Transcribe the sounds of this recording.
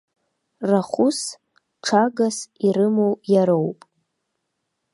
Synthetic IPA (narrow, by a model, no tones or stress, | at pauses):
raχʷʊs | ʈ͡ʂʰaɡasiɾɨmowjaɾowpʼ